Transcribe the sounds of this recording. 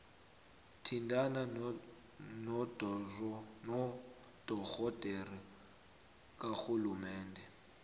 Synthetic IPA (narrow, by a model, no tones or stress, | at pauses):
tʰindana | nɔdrnɔ | d̥ɔɣɔdʼɛri | kʼaxulumɛːndʱɛ